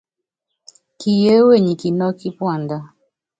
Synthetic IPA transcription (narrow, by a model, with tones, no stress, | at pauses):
ki˨je˦we˦˨ɲi˨ki˨nɔ˦ki˦pwa˦˨nda˦